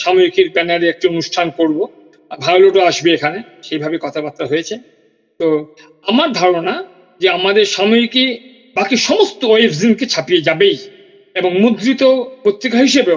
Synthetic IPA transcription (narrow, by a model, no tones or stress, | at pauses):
ʃamoɾikeɾbɛnaɾeek̚ʈionuʃʈʰankoɾbo | bʱajloʈoaʃbeekʰane | ʃejbʱabekɔt̪ʰapat̪ːɾaɦojet͡ɕʰe | t̪o | amaɾd̪ʱaɾona | d͡ʑeamad̪eɾʃamoɾike | bakiʃɔmost̪ooefʰzimket͡ɕʰapied͡ʑabej | eboŋmud̪ɾit̪opɾot̪ːɾikaɦiʃebe